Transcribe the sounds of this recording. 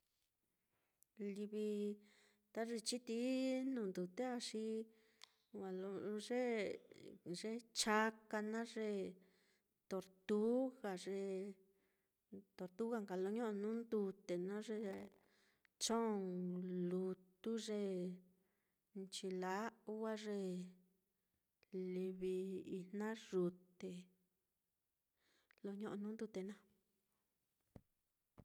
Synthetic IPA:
li˧βi˧ | t̪a˦ʐi˧t͡ʃi˦t̪i˦nũ˧˨nd̪u˨t̪e˦a˧ʂi˦ | wa˨lo˧ʐe˦ | ʐe˦t͡ʃa˧ka˧nã˦ʐe˧ | t̪o˨ɾt̪u˦ɣa˨ʐe˧ | t̪o˨ɾt̪u˦ɣa˧ŋka˨lo˧˦ɲõ˦ʔo˧nũ˦nd̪u˧t̪e˨nã˦ʐe˧ | t͡ʃõ˦˨ŋlu˧t̪u˦ʐe˧ | nt͡ʃi˧la˦wa˦ʐe˧ | li˧βi˧i˧n̥ã˦ʐu˧t̪e˨ | lo˧ɲõ˦ʔnũ˦nd̪u˧t̪e˧˨nã˦

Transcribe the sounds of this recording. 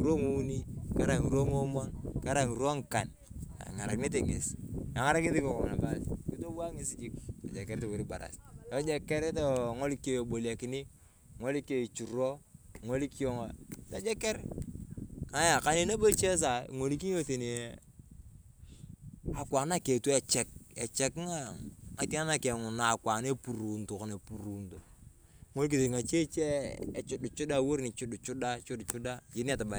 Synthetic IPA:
ŋi˨ɾo˦ŋu˦ni˦ka˦ɾa˨ŋi˨ɾo˦ŋo˦mo˦nka˦ɾa˦˨ŋi˨ɾo˦ŋ˨ka̰˨n | a̰˨ŋa˨ɾa̰˨kɪ˦ne˦t̬e˨ŋḛ˨sa˨ŋa˦ɾa˦kne˦ti˦ko˨ko˨ŋ˨na˨ba˦ski˦to˦wa˦ŋe˦si˨d͡ʒi˦k̚a̰˨d͡ʒe˨ke˦ɾto˨wo˨ɾi˦ba̰˨ɾa̰˨so˦d͡ʒe˦˨ke˦ɾe˦to˨ŋo˦li˦ko˦˨jo˨bo˨lia˨ki˨ni˦ | ŋo˦li˦ke˨i˨t͡ʃu˨ɾo˦ŋo˦li˦ki˦jo˦ŋo˨ta˨˦d͡ʒe˦ke˦ɾ | ŋa˨˦ja˨ka˨˦ne˦na˦bo˦t͡ʃe˦s̬a̰˨ŋo˨li˦ki˦o˦te˨ni˨ | a˨kʷa˨na˦ke˨tu˦ɛ˨t͡ʃɛ˨k̚ḛ˨t͡ʃɛ˦kŋa˦ŋa˨ti˦a˦na˦˨ke˨ŋʊ˨na˨kʷa˨ne˦pu˨ɾu˨nto˨ko˨ne˨pu˨ɾu˨nto˨ | ŋo˦lk̬i˨te˨ŋa˨t͡ʃe˦t͡ʃe˦e˨t͡ʃu˦du˨t͡ʃu˦da˦wo˦ɾni˨t͡ʃu˦du˨t͡ʃu˦da˦t͡ʃu˦dt͡ʃu˦da˦d͡ʒi˨ni˦a˨ta˨ba˨

